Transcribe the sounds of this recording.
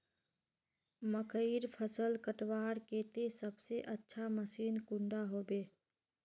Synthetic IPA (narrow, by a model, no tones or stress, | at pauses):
məkʰəiɾpʰəsəlkəʈwaːɾkeːt̪esəbseʔətːʃʰaməsiːnkʊ̃ɳɖaɦoːbeː